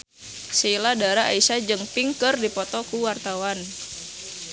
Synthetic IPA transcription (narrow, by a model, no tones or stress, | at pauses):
siladaɾaʔa̰isad͡ʒɨŋpiŋkɨrdipɔt̪ɔkuwart̪awan